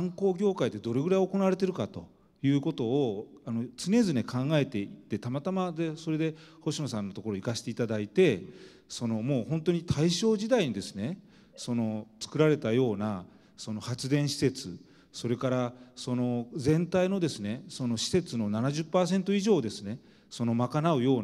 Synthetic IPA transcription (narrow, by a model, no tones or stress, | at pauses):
ãŋko̞ːɡʲo̞ːkait̪ːe̞d̪o̞ɾe̞ɡɯ̟ɾaio̞ko̞naβaɾet̪e̞ɾɯ̟kat̪o̞̰ | jɯ̟ːko̞t̪o̞ːano̞t͡sɨne̞zɨnikʰãŋɡae̞t̪e̞it̪ːe̞t̪amat̪amad̪eso̞ɾe̞d̪e̞ho̞ɕino̞sãnːo̞t̪o̞ko̞ɾo̞ikaɕi̥t̪e̞it̪ad̪ait̪e̞ | so̞no̞mo̞ːhõ̞nt̪o̞ɲ̟it̪ʰaiɕo̞ːʑid̪aiɲ̟id̪e̞sɨ̥ne̞ | so̞no̞t͡sɨ̥kɯ̟ɾaɾe̞t̪ajo̞ːna | so̞no̞hat͡sɨd̪ẽ̞ɰ̃ɕi̥se̞t͡sɨ | so̞ɾe̞kaɾaso̞no̞zẽ̞nt̪aino̞d̪e̞sɨne̞so̞no̞ɕi̥se̞t͡sɨno̞nanaʑɨpːaːs̬ẽ̞nt̪o̞iʑo̞ːd̪e̞sɨne̞ | so̞no̞makanaɯ̟jo̞ːn